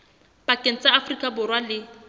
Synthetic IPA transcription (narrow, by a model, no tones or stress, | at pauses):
b̥akʼen̩t͡sʼaafrikʼabʊrwalɪ